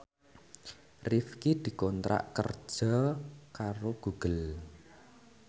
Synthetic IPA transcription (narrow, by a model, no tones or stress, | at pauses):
rifkid̪̥i̤kɔnt̪ɾa̰ʔkə̰r̥ʒ̥ɔkaɾoɡ̥uɡ̥əl